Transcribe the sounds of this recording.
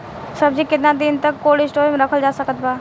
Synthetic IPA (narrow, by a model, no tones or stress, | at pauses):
sɐb̚d͡ʒikɪt̪nad̪ɪnt̪əkːoːɽɪsʈoːɾmẽɾɐkʰəld͡ʒaːsɐkət̪̚baː